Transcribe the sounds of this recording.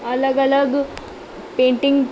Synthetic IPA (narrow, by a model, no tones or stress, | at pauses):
ɐlɐɡɐlaɡ | peːɳʈiŋɡ